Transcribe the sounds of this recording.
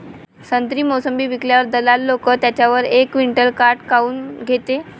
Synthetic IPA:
sənt̪ɾiːmosəmbiːʋikljaʋəɾd̪əlalːokət̪jat͡ɕjaʋəɾekʋiɳʈəlkaɾʈkauːnɡʱet̪e

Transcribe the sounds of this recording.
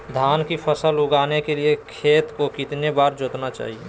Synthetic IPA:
d̪ʱaːnkipʰəsəlʊɡaːnekeliekʰeːt̪kokɪt̪nebaːɾd͡ʒoːt̪nat͡ʃa̰ːɦie

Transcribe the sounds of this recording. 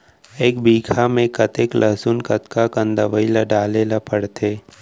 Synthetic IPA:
eːkbiːkʰamẽkɐt̪eːklʔɐɦsunkət̪kakə̃nd̪əʋəilaɖaːlelapəɽt̪ʰeː

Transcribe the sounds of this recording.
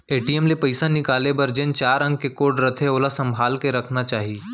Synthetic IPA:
eːʈiemlepɐɪsanɪkaːlebɐɾd͡ʒə̃nt͡ʃaːɾɐ̃ŋɡ̚kekoːɾʈɾɐt̪ʰeoːlasɐ̃mbʱaːlkeɾɐkʰnat͡ʃaːɦi

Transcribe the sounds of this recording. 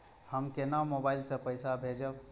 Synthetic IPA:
həmkenamobailsə̃pəjsabʱed͡ʒəb

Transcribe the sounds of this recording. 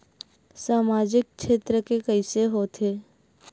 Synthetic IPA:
saːmaːd͡ʒɪk̚ʃeːt̪ɾəkekəiseɦoːt̪ʰeː

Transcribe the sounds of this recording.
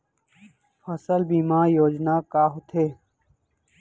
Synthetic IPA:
fʰəsəlbiːmãːjoːd͡ʒnaːkaːɦot̪ʰeː

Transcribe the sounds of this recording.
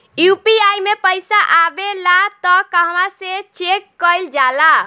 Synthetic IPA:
jupiajmepəjsaʔabelat̪ɔkəɦmaset͡ʃekːəjld͡ʒala

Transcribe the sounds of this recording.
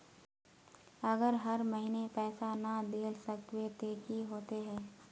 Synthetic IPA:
ɐɡəɾɦɐɾmɐɦinepɛːsanad̪eːlsəkt̪wet̪eːkiɦoːt̪eɦɛ̃ː

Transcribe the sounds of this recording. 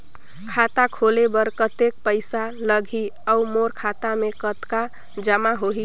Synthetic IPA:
kʰat̪akʰolebəɾkət̪ek̚pəɪsaləɡʱiəumoɾkʰat̪amekət̪ka | d͡ʒəmaɦoɦi

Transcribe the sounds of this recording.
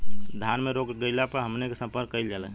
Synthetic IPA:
d̪ʱanmeɾokɡəjlapəɾɦəmnekesə̃mpəɾkːəɪld͡ʒalɛ

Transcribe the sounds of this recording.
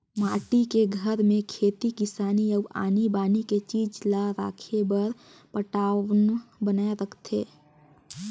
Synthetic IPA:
maːʈikeɡʱəɾmẽkʰeːt̪ikɪsaːniəa̰ːnibaːniket͡ʃiːd͡ʒlaɾaːkʰebəɾ | pəʈaːʋnbənaːeɾəkʰt̪ʰḛː

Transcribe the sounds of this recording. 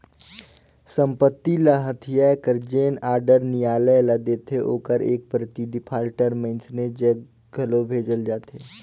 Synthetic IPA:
sə̃mpət̪ːilaɦət̪ʰijaekəɾd͡ʒeːnaːɾɖəɾnijaːləlad̪eːt̪eʔo̰ːkəɾḛːk̚pɾət̪iɖɪpʰaːɾʈəɾmẽnsned͡ʒə | ɡʱɐlobʱeːd͡ʒəld͡ʒaːt̪eː

